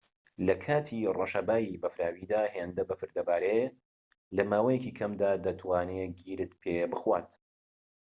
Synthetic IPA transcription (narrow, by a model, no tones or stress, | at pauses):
lɐkʰaːt̪ʰiroʃɐbaːjibɐfɾaːwiːd̪aːheːnd̪ɐbɐfɨɾd̪ɐbaːɾe | lɐmaːwɐjɛciːkʰɐmd̪aːd̪ɐt̪ʰwaːneɡiːɾɨt̪pʰebɨxwa̰ːt̪